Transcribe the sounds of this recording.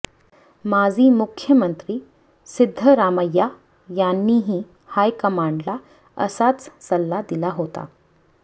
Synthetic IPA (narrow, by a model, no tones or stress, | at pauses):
mad͡ziːmukʰjəmənt̪ɾiː | sɪd̪ʱːəɾaməjːa | janːiːɦiː | hajkəmaɳɖla | ə̰sat͡ssəlːad̪ilaɦot̪a̰